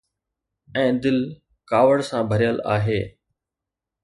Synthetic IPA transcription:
ɛ̃ːd̪ɪl | kaːʋəɽsãbʱɐɾijəla̰ːɦeː

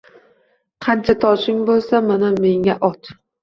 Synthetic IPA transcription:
qʰɑnt͡ʃʰat̪ʰɒʃɪŋbolˠsamaname̞ŋaʔɒt̪

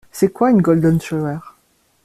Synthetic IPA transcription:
sɛkwaynɡɔld̪ɔnʃɔɛʁ

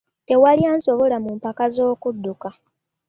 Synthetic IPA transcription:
te̞walijaːnso̞βo̞lamumpakazo̞ːkudːuka

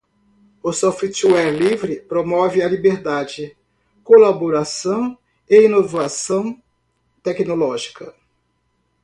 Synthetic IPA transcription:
ʊsɔft͡ʃɛɾlivɾɪpɾomɔvɪalibeɾd̪ad͡ʒɪ | kolaboɾasɐ̃w̃ | einovasɐ̃w̃ | t̪ɛknolɔʒikɐ

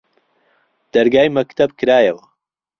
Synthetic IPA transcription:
d̪̥ɐɾɡaːjmɐkt̪ʰɐbkʰɨɾaːjɐwɐ

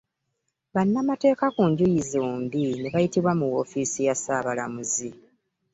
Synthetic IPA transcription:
βanːamate̞ːkakuɲɟujizoːndineβajitiβwamuwo̞fiːsijasaːβalamuzi

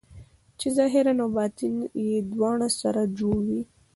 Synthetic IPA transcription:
t͡ʃezɑɦɪɾanawbɑt̪ɪnjed̪wɑɳasaɾad͡ʒoɽwi

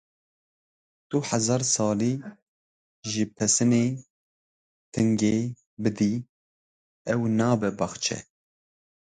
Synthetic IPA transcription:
d̪̥uħɛzɑːɾsɑːliː | ʒɨpʰɛsɨneː | t̪ʰɨŋɡeː | bɨd̪i | ɛwnɑːbɛbɑxt͡ʃʰɛ̰

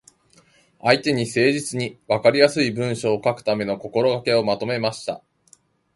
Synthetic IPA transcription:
ait̪e̞ɲ̟ise̞ːʑit͡sɨɲ̟iβakaɾʲijasɨibɯ̟̃ɰ̃ɕo̞ːkakɯ̟̥t̪ame̞no̞ko̞ko̞ɾo̞ɡake̞o̞mat̪o̞me̞maɕi̥t̪a̰

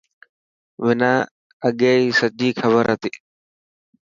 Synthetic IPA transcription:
ʋɪnaː | əɠeːisəʄiːxʰəbəɾɦət̪iː

